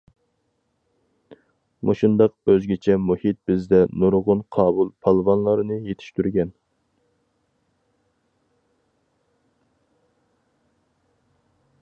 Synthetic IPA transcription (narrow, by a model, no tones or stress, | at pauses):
mʔo̰ʃund̪ɑq̚b̥øzɡʲit͡ʃʰɛmuhit̪̚bɪzd̪ɛnuɾʁʊnqʰɑːbulˠpʰɑlˠvɑnlˠɑɾnɨjet̪ʰɪ̥ʃt̪yɾɡʲɛn